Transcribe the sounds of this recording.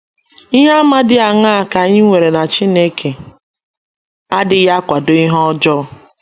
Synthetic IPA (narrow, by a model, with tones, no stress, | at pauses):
i˦ɦa˦ma˦dɪ˦a˨ŋa˦a˨ka˨ɲɪ˦ŋʷe˨ɾe˨na˨t͡ʃi˦ne˦kʰe˨ | a˦dɪ˨ja˦kʷa˨do˦i˦ɦɔ˦d͡ʒɔ˦˨